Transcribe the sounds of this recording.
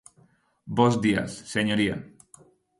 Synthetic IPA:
bozd̪ia̰sːeɲoɾia̰

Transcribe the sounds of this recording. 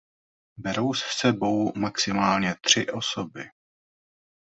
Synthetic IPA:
bɛɾowssɛbo̞wmaksɪmaːlɲɛt̪r̝̥ɪʔo̞so̞bɪ

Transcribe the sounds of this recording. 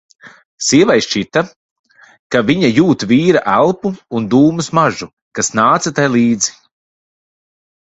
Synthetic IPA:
siɛvajʃt͡ʃit̪a | kaviɲajuːt̪viːɾaʔælˠpuːnd̪uːmusmaʒu | kasnaːt̪sɐt̪ajlˠiːd̪zi̥

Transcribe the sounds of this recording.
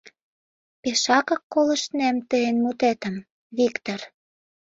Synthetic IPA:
peʃɑkɤ̆kːolə̆ʃt̪næmt̪əenmut̪et̪ə̆m | βikt̪or

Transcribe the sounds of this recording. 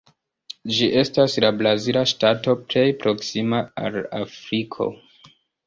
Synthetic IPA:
d͡ʒiʔe̞staslablazilaʃtato̞ple̞jpɾo̞ksimaa̰lafɾikʰo̞̰

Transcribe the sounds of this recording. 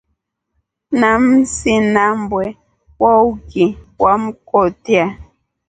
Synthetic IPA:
nam̩sinambwɛ | wauɡiwam̩kɔtia

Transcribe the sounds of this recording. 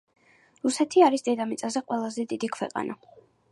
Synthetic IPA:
ɾusɛt̪ʰiaɾisd̪ɛd̪amit̪sʼazɛqʼwɛlˠazɛd̪id̪ikʰwɛqʼa̰nʔa̰

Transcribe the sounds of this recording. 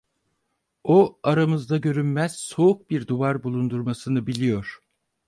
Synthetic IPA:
oaɾamɯzd̪aɟø̞ɾynmæz̥so̞uk̚biɾd̪uvaɾbulˠund̪uɾmasɯnɯbilʲijo̞ɾ̥

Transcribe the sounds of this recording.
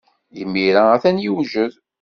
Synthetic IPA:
jəmːiɾaæθænjuwʒəð

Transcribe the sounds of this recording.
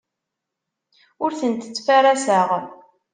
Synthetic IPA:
ʊɾθənt̪ə̥t͡sːfæɾæsaʁ

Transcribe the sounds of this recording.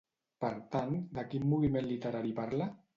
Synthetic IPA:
pəɾt̪and̪akimːuβimenlit̪əɾaɾipaɾla

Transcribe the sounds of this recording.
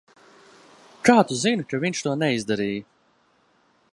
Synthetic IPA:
kaːt̪uzinʲkaviɲʲʃt̪uɔnɛizd̪aɾiːj

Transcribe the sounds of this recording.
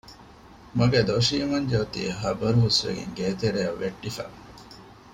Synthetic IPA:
mɐɡed̪oʃiːmɐɲd͡ʒɐɐt̪ḭːɦɐbɐɾuɦusʋḛɡḛŋɡeːt̪eɾejɐʋːʔeʈːifæ̰ː

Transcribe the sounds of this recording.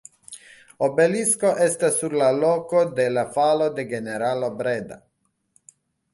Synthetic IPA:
obeliskoʔest̪asːuɾlalokod̪elafalod̪eɡeneɾalobɾed̪a̰

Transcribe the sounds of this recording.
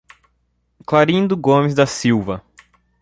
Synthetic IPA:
klaɾĩnd̪ʊɡõmɪzd̪ɐsiwvɐ

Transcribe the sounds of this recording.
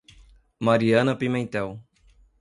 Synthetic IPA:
maɾiɐ̃nɐpimẽnt̪ɛw

